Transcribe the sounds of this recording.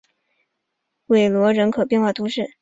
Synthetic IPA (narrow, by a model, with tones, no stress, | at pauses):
we˨˥˩ɪlwɔ˧˥ɻə˧˥nkʰɤ˨˩pjɛ˥˧nxwa˥˩t̪ʰu˧˥ʂɻ̩˥˩